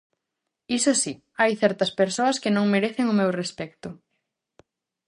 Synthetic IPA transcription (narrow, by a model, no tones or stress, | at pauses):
isosi | ajθɛɾt̪ɐspeɾsoɐskɪnõŋmeɾeθɪŋʊmewrespɛk̚t̪ʊ